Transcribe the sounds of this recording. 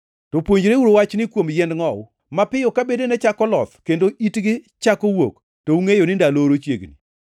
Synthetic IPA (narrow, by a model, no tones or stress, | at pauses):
tɔpwoɲd͡ʒɾeuɾowat͡ʃnɪkwomjɛndŋɔʊ | mapɪjɔkabedenɛt͡ʃakɔlɔt̪kendoʔitɡɪ | t͡ʃakowok | touŋejonɪndaloɾot͡ʃjḛɡnḭ